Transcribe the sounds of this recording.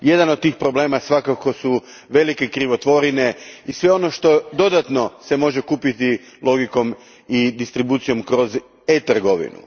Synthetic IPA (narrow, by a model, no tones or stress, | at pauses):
je̞d̪anod̪̚t̪ːiːxpɾo̞ble̞ːmasʋakako̞su | ʋe̞like̞kɾiʋo̞t̪ʋo̞ɾine̞isʋe̞o̞no̞ʃt̪o̞d̪o̞d̪at̪no̞se̞mo̞ʒe̞kuːpit̪i | lˠo̞ɡiko̞m | id̪ist̪ɾibuːt̪sijo̞mkɾo̞z | et̪r̩ɡo̞ʋḭnṵ